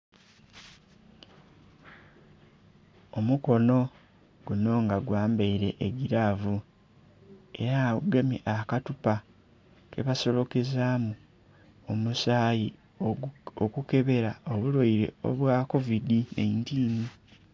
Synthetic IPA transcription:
o̞muko̞no̞ | ɡ̥uno̞ːŋɡaɡwaːmbeiɾe̞̰ʔːɟiɾavu | e̞ɾauɡamiʔakatupa | ke̞̰βaso̞lo̞kezaːmu | omusaːji | okuke̞βe̞ɾao̞βuloiɾe̞̰o̞̰βwako̞vidinḛintiːni

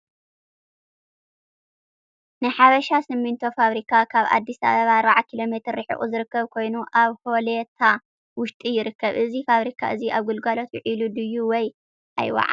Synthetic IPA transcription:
nɨħaβɐʃasɨmːɨnt̪ʰo̞faβɾikʰakʰaβa̰d̪ːisa̰βɐβaːɾbaʕakʰilo̞me̞t̪ʰɨɾːɨħɨ̰ʔʼṵzɨɾɨkːɐβkʰo̞jnuʔaβho̞let̪ʰa | wʊʃt̪ʼijɪɾɨkːɐβʔɨzifaβɾikʰa̰ʔɨziʔaβɡulɡalo̞t̪jʊʕilud̪ɨjːuwɔj | ʔa̰jwa̰ʕa̰

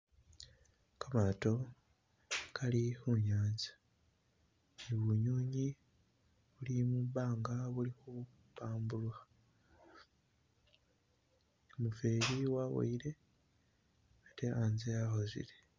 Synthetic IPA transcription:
kamato̞ | kʰalixuɲaːnzḁ | niβuɲuːɲi | βulimuβaːŋɡaβulixu | βaːmbulwa | omuve̞ːɾiwawo̰iɾe̞ | ateanzeaxo̞zḭle

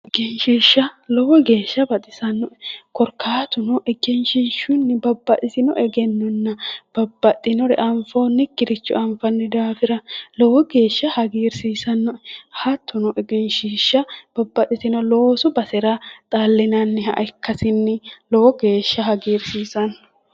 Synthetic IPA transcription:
ɛɡɛnʃiːʃːɐlɔwɔɡe̞ːʃːɐbɐt̪ʼɪsɐnːɔkɔɾkʰaːt̪ʊnɔʔɛɡɛnʃɪnʃʊnːɪbɐbːɐt̪ɪsɪnɔʔɛɡɛnːɔnːɐb̥ɐbːɐt̪ʼːɪnɔɾɛ̰ʔɐɱfonːɪkːɪɾɪt͡ʃːʊ̰ʔɐɱfɐnːɛd̪aːfɪɾɐlɔwɔɡe̞ːʃːɐhɐɡiːɾsiːsɐnːɔhɐt̪ʰːʊnɔʔɛɡɛnʃɪʃːɐb̥ɐbːɐt̪ːɪsɪnɔloːsʊbɐsɛɾat̪ʼalːɪnɐnːɪɦɐʔkːɐsɪnːɪlɔwɔɡe̞ːʃːɐɦɐɡiːɾsiːsɐnːɔ̥

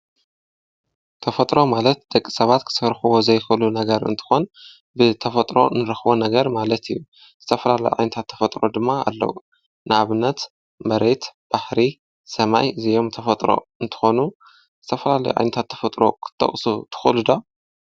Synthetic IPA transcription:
t̪ʰɐfɐt̪ʼɾo̞malɐt̪̚d̪ɐkʼːi̥sɐβat̪kʰɨ̥sɐɾxɨwozɐjxɨɨlunɐɡɐɾɨ̰nt̪ʰɨ̥xo̞n | bɨt̪ʰɐfɐt̪ʼɾo̞̰nɨɾɐxβo̞nɐɡɐɾmalɐt̪ʰijːu | zɨt̪ʰɐfɐlalɐ̰jo̰ʕajnɐt̪ʰat̪ʰːɐfɐt̪ʼɾo̞d̪ɨmːaa̰lːɐ̰wu | nɨaβɨnːɐt̪ | mɐɾe̞t̪b̥aħɾi | sɐma̰jɨzijo̞mt̪ʰɐfɐt̪ʼɾo̰ɨnt̪ʰɨ̥xo̞nu | zɨt̪ʰɐfɐlalɐ̰joʕa̰jnɐt̪ʰat̪ʰːɐ̥fɐt̪ʼɾo̞̰kʰɨ̥t̪ʰʼːɐ̰χʼsut̪ʰɨ̥xlud̪o

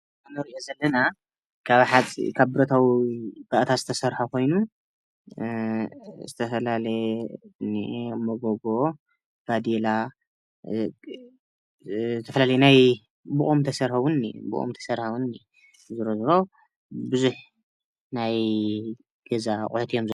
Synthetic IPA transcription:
anɐɾiijozɐlːɐna | kʰaβħat͡sʼḭkʰaβbɨɾɐt̪ʰawib̥aʔt̪ʰazɨt̪ʰɐsɐɾħakʰo̞jnu | zɨt̪ʰɐfɐlalɐjenemoɡoɡo̞ | ɡ̥ad̪ela | zɨt̪ʰɐfɐlalɐjenaj | buχʼumt̪ʰɐsɐɾħawunbṵʔʼṵmt̪ʰɐ̥sɐɾħawuni | zɨɾozɨɾo̞ | bɨzuħ | naj | ɡ̥ɐzaχʼʊħut̪ʰijo̞mzɨ

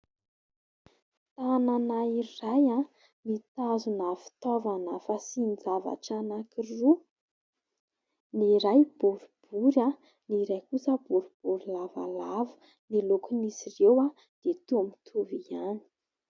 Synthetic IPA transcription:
t̪ananaiɾaja | nit̪azunafi̥t̪ɔvanəfasind͡zava̰ʈ͡ʂanakiru | niɾajb̥uɾub̥uɾja | niɾajkusəb̥uɾub̥uɾilava̰lavə̥ | nilokunisirewa | d̪̥et̪uamit̪ʰuviani̥

